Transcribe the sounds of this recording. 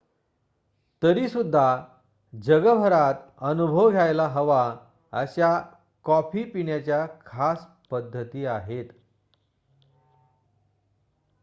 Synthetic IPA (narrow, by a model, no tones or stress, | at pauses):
t̪əɾiːsud̪ʱːa | d͡ʑəɡəbʱəɾat̪ənubʱəʋɡʱjajlaɦəʋa | ə̰ɕja | kɔfiːpiɳjat͡ɕjakʰas | pəd̪ʱːət̪iːaɦet̪